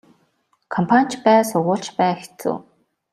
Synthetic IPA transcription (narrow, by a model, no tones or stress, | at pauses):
kʰɔmpʰan̥ʲt͡ɕpæːsʊʁʊːɬt͡ɕpæːxe̥t͡sṵː